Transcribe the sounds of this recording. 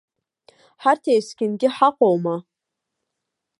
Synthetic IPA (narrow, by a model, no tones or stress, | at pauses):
ħartʰejsɡʲɪnɡʲɪħaqʷʼowma